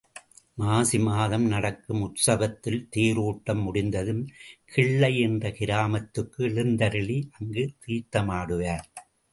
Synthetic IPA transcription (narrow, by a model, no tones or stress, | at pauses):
maːsɪmaːðɐmnɐɽɐkːɯmʊʈsɐʋɐt̪ːɪlt̪iːɾuːʈːɐmːʊɽɪnd̪ɐðɯmkʰɪɭːɐɪɛndrɐkɪɾaːmɐt̪ːɯkːɯɭɪnd̪ɐɾɪɭiʔɐŋɡɯt̪iːt̪ːɐmaːɽɯʋaːɾ